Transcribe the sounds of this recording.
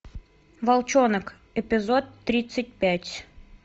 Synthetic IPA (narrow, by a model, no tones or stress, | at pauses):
valˠt͡ɕonək | ɛpʲɪzot̪ːɾʲit̪sːət̚ʲpʲætʲ